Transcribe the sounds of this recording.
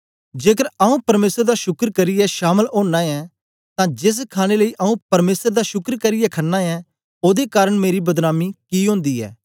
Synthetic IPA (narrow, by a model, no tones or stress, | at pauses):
d͡ʒeːkəɾɐũpɐɾmeːsəɾd̪aʃʊkɾkɐɾɪjɛʃaːməlõːɳːãːɛ | t̪ãːd͡ʒɪs̬kʰaːɽ̃eləiʔɐũpɐɾmeːsəɾd̪aʃʊkɾkɐɾɪjɛkʰɐnːaɛ | oːd̪ekaːɾəɽ̃meːɾibɐd̪naːmikiːɦõːnd̪iːɛ̰ː